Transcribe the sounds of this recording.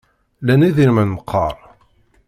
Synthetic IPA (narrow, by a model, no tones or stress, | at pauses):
læniðiɾmənməqʰːɑɾˤ